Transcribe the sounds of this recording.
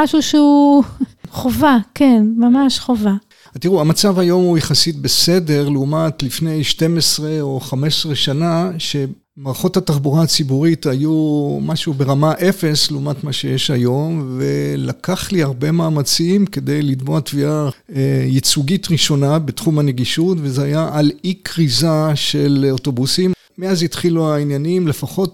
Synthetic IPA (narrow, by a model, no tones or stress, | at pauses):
aʃuʃeu | χovakʰenmamaʃχova | atiʁuhamat͡savajo̞mhujeχasit̚be̞se̞de̞ʁleumatlifne̞jʃte̞mesʁe̞o̞χame̞ʃesʁeʃanaʃe̞ | maʁχo̞thataχbuʁaat͡sibuʁitajumaʃube̞ʁamaʔe̞fe̞sleumatmaʃe̞jeʃajo̞mvelakaχliaʁbe̞maːmat͡simke̞d̪ejlid̪moatvia | ejit͡suɡitʁiʃo̞nabetχumane̞ɡiʃutvezeajaʔalikʁizaʃe̞loto̞busim | meazitχiluainjanimle̞faχo̞t